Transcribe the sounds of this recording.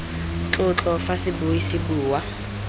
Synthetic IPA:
t͡ɬʊt͡ɬʼɔfasɪbʊisɪbuːwa

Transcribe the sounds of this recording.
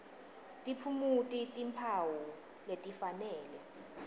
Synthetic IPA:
tʼipʰumutʼitʼimpʰawu | letʼifanɛːlɛ

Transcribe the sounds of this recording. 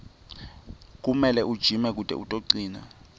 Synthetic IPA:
k̬umɛlɛʔud̥ʒ̥ʱimɛk̬utʼɛ̰utʼoǀiːna̰

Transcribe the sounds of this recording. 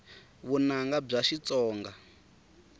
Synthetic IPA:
βunaŋɡab͡ʐaʃit͡sɔːŋɡa

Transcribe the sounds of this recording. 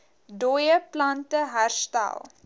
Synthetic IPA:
dɔjəplɐntəɦærstɛ̰lˠ

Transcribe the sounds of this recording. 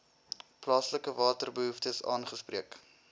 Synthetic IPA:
plɑːsləkəvɑːtərbəɦuftəsɑ̰ːnχəspriək

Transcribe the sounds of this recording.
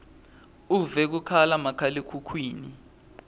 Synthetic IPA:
uvɛk̬ukʰalamakʰalikʰukʰwiːni

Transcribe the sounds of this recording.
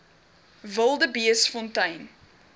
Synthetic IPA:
vəlˠdəbiəsfɔntɐjn

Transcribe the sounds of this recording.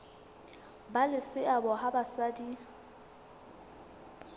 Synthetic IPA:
balɪsɪʔabɔɦabasadi

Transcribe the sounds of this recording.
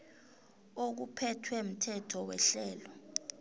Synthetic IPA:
ok̬upʰɛtʰwɛm̩tʰɛtʰɔwɛɬɛːlɔ

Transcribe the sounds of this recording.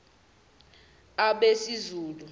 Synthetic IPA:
aɓesizuːlu

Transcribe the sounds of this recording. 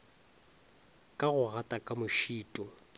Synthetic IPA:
kʼaɣʊɣatʼakʼamʊʃiːtʼɔ

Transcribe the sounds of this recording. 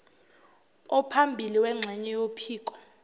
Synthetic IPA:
ɔpʰambʱiliwɛŋ͡ǀʱɛɲɛjopʰiːkʼɔ̥

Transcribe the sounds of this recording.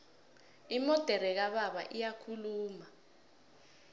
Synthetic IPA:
imɔd̥ʱɛɾɛk̬aɓaɓa̰ʔijakʰuluːma

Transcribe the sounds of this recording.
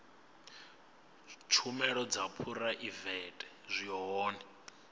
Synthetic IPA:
t͡ʃʰumɛɺɔd͡zapʰuɾaʔivɛtʼɛ̥ | zʷiɔɦɔːnɛ

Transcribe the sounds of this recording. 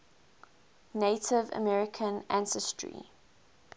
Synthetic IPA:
neɪtʰɪvə̰mɛɹɪkʰə̃nʔãnsɛstʰɹḭ

